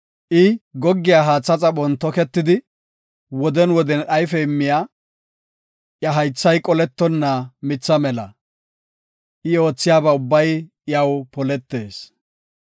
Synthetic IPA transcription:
ʔɪɡɔɡːɪjaːɦaːt͡sʼːɐt͡sʼɐɓɔnt̪ɔkɛt̪ːɪd̪ɪ | wɔd̪ɛnwɔd̪ɛnʔɐjfɛɪmːɪjaː | ʔjɐɦɐjt͡sːɐjkʼɔlɛt̪ːɔnːɐmɪt͡sːɐmɛlɐ̰ | ʔɪo̞ːt͡sːɪjaːbɐʊbːɐj | jɐwpɔlɛt̪ːe̞ːs

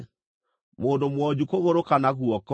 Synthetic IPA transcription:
moːndomwɔd͡ʑukoɣoɾokanaɣuɔk

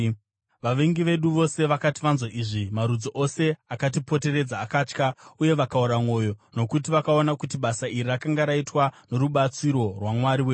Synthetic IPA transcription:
ʋaʋeŋɡiʋe̞ɗuʋo̞se̞ʋakatiʋanzwaʔiʐimaɾud͡zoʔo̞se̞akat̬ipo̞te̞re̞d͡zaːkaːt͡ʃkauje̞ʋakauɾamwo̞ːjo̞no̞kut̬iʋakao̞nakutiɓasairirakaŋɡaɾaitwano̞ɾuɓat͡siɾo̞rwamwaɾiweː

